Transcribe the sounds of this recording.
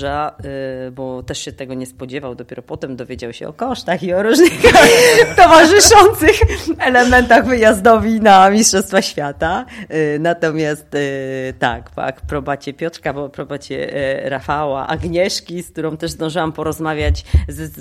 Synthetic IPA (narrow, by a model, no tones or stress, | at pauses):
ʐa | bɔt̪ɛʂɕɛt̪ɛɡɔɲɛspɔd͡ʑɛvawd̪ɔpʲɛɾɔpɔt̪ɛmd̪ɔvʲjed͡ʑawɕɛ̰ɔ̰kɔʂt̪axiɔɾuʐnɘxt̪ɔvaʐɘʂɔnt̪sɘxɛlɛmɛnt̪aɣvɘjazd̪ɔvʲinamʲistʂɔfst̪faxɕfʲjat̪anat̪ɔmʲjast̪t̪ːa̰kpa̰kpɾɔbat͡ɕɛpʲjɔt̪ɾkabɔpɾɔbat͡ɕɛ̰ɾafawa̰ʔa̰ɡɲɛʂkʲisk̚t̪uɾɔ̃w̃t̪ɛʐzd̪ɔ̃w̃ʐɨwampɔɾɔzmavʲjat͡ɕz